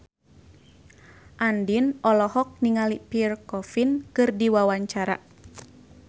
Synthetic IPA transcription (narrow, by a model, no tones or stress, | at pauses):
ʔandinʔɔlɔhɔk̚niŋalipirkɔfinkɨrdiwawaɲt͡ʃaɾa̰